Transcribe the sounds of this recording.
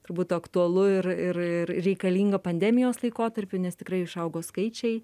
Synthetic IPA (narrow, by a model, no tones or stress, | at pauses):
t̪ʊɾbuːt̪ːɐkt̪uɐlˠʊɪrɪrɪɾrʲɛɪkɐlʲiːŋɡɐpɐnʲd̪ʲɛmʲɪjoːslˠɐɪkoːt̪ɐɾʲpʲʊnʲɛst̪ʲɪkɾɐɪɪʃɐʊɡoːskɐɪt͡ʃʲɛɪ